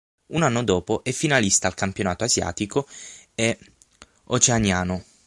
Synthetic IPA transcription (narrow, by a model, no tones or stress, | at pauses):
unanːod̪ɔːpoʔɛfːinalist̪aːlkampjonaːt̪oazja̰ːt̪ikoe | ot͡ʃeanjaːno